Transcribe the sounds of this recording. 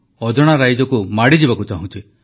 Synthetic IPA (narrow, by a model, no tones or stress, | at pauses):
ɔd͡ʒɔɽ̃aɾajd͡ʒɔkumaɽid͡ʒibakut͡ʃaɦũnt̪ʰie